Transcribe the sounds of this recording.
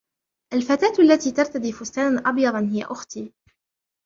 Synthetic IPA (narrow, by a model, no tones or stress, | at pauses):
ʔalfat̪aːt̪ʔalːat̪iːt̪ɑɾˤt̪ad̪iːfʊst̪aːnanʔɑbjɑd̪ˤnhɪja̰ʔʊxt̪iː